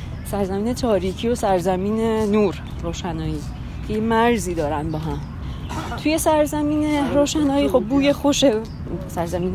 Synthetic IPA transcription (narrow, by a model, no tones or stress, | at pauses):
sæɾzæmiːnet̪ʰɒːɾiːcʰijo̞sæɾzæmiːnenuːɾːoːʃænɒːjiː | cʰejemæɾziːd̪ɒːɾænbɒːɦæm | t̪ʰuje̞sæɾzæmiːneɾoːʃænɒːjiːxo̞b̚buːjexoʃe | sæɾzæmiːn